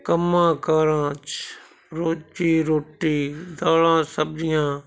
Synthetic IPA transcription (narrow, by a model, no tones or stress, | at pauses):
kəmːãːkaːɾãːt͡ʃ | ɾoːt͡ʃiːɾoːʈiːd̪aːlãːsəb̚d͡ʒɪjãː